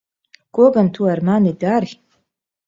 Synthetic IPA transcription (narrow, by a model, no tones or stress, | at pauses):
ɡ̥ʷʼoɡantʰuarmanidarʲ